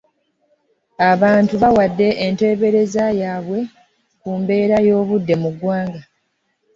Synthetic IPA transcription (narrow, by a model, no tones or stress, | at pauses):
aβaːntuβawadːe̞ʔente̞ːβe̞ɾe̞zajaːβwe̞ | kuːmbe̞ːɾajo̞ːβudːe̞muɡːwaːŋɡa